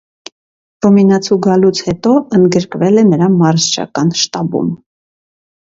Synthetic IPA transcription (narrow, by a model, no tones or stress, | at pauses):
v̥ɔminɑt͡sʰuɡɑlut͡sʰhɛt̪ɔənd̪ɡəɾkvɛlɛnəɾɑmɑɾzt͡ʃʰɑ̰kɑnʃt̪ɑbṵm